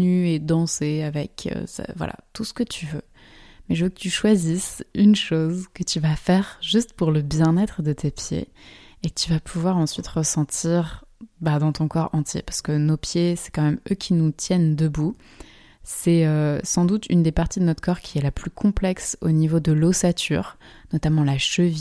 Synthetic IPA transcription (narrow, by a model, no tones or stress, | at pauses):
nyed̪ɑ̃seavɛkʰø̰sa̰vwa̰lʔa̰t̪usə̥kət̪ʰyvø | mɛʒəvøkət̪yʃwazisynʃozkət̪yvafɛʁʒyst̪puʁləbjɛ̃nɛt̪χəd̪ət̪epjḛekət̪yvapʰuvwaʁɑ̃sɥit̪ʁəsɑ̃t̪ʰiʁbad̪ɑ̃t̪ɔ̃kɔʁɑ̃t̪jḛpḁʁsə̥kənopjesɛ̥kɑ̃mɛmøkʲinut̪jɛnd̪əbu | sɛøsɑ̃d̪ut̪y̰nd̪epaʁt̪id̪ənɔt̪χkɔʁkʲʰiɛlaplykʰɔ̃plɛkso̰nivod̪əlosat̪ʰy̰ʁ | nɔt̪amɑ̃laʃəvi